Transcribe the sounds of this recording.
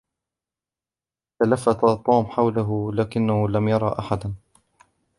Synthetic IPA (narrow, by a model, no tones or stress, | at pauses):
t̪alafːat̪at̪ˤːuːmħawlaɦʊlaːkɪnːahʊlamjɑɾˤɑʔaħad̪